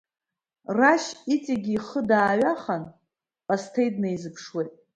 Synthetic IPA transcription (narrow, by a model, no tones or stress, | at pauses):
raʃit͡sʼiɡʲiːχədaːɥaχan | pʼastʰejdnaizɨpʰʂwejtʼ